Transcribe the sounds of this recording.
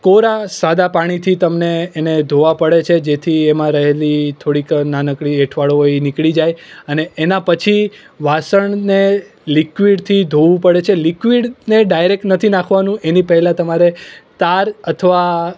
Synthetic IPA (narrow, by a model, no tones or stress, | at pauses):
koɾasad̪apaɽ̃it̪ʰit̪əmneːned̪ʱoʋapəɽet͡ʃʰed͡ʒet̪ʰiemãɾəɦelit̪ʰoɽiknanəkɭieʈʰʋaɭoɦoinikɭid͡ʒajəneːnapət͡ʃʰi | ʋasəɳne | likʋiɖt̪ʰid̪ʱoʋũpəɽet͡ʃʰelikʋiɖneɖajɾek̚ʈnət̪ʰinãkʰʋanũʔenipəɦɛlãt̪əmaɾet̪aɾət̪ʰəʋa